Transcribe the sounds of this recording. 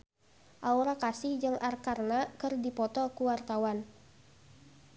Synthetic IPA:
ʔauɾakasɪhd͡ʒɨŋʔarkarnakɨrdipɔt̪ɔkuwart̪awan

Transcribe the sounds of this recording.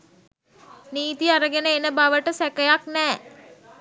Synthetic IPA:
niːt̪iaɾəɡenəenəbaʋəʈəsækəjaknɛː

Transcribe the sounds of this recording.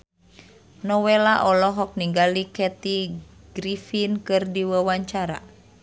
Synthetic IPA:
nɔwelaʔɔlɔɦɔk̚niŋɡalikɛt̪i | ɡ̥ɾifinkɨrdiwəwaɲt͡ʃaɾa̰

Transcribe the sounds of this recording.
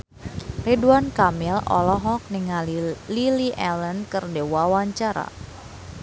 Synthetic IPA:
rɛduankamɪlɔ̰lɔɦɔk̚niŋalliliʔɛlənkɨrdewawaɲt͡ʃaɾa̰

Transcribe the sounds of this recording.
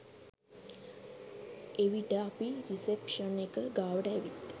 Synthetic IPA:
eʋiʈəapiɾisepʃənekəɡaːʋəʈəːʋit̪

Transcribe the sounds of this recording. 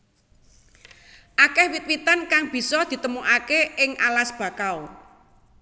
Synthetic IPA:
ʔakɛhwit̪̚wit̪ankaŋb̥i̤sɔd̪̥i̤t̪əmuʔakeʔɪŋʔalasb̥a̤kaw

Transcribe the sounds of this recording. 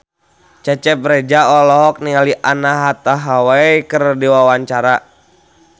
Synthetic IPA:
t͡ʃɛt͡ʃɛp̚ɾɛd͡ʒaɔlɔɦɔk̚niŋaliʔanaɦat̪aɦawaikərdiwawaɲt͡ʃaɾa

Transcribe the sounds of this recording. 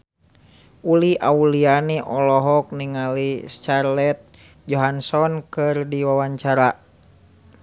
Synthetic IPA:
uliʔaulianiʔɔlɔɦɔk̚niŋalist͡ʃarlɛt̪̚ | d͡ʒɔɦansɔnkɨrdiwawaɲt͡ʃaɾa

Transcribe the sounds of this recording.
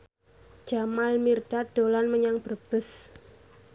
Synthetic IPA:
d͡ʒamalmird̥ad̪̥olanməɲaŋb̥ərb̥əs

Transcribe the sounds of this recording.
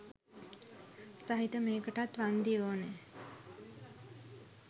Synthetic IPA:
saɦit̪əmeːkəʈat̪ʋand̪iʋoːne

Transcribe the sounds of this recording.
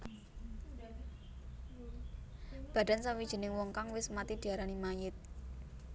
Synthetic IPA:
b̥a̤ɖ̥a̤nsaŋwid̥ʒ̥ə̤nɪŋwɔŋkaŋwɪsmat̪id̪̥i̤aɾanimajɪt̪̚

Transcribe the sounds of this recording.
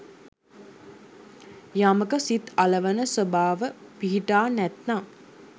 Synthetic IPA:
jaməkəsit̪aləʋənəsəbaːʋəpiɦiʈaːnæt̪na

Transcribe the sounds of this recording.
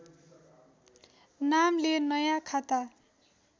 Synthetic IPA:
namlenʌjãkʰat̪a

